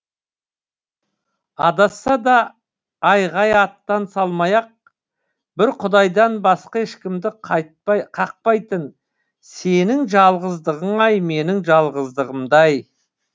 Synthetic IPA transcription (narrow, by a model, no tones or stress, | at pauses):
ɑd̪ɑsːɑd̪ɑː | jʁɑjɑt̪ːɑnsɑlˠmɑjɑq̚ | bɪɾqʰʊd̪ɑjd̪ɑnbɑsqɑɪʃkʲɪmd̪ɪqʰɑ | qʰɑq̚pɑjt̪ən | se̞nɪŋʒɑlˠʁəzd̪əʁəɴɑjme̞nɪŋʒɑlˠʁəzd̪əʁəmd̪ɑj